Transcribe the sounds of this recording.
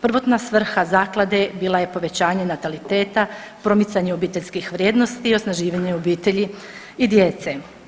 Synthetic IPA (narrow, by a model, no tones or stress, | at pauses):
pr̩ʋo̞t̪nasʋr̩xazaːklˠad̪e̞biːlˠaje̞po̞ʋe̞t͡ɕaːɲe̞nat̪alit̪e̞ːt̪a | pɾo̞mit̪saɲeobiːt̪eʎʲskixʋɾʲjed̪no̞st̪iːo̞snaʒiːʋaɲeobiːt̪eʎi | id̪je̞t̪se